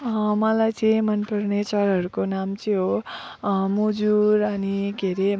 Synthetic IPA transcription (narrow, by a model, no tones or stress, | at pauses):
mʌlajt͡sʰʌj̃mʌnpʌrnet͡sʌɾɦʌɾukonamt͡sʰijɦo | mud͡zuɾʌniɡeɾe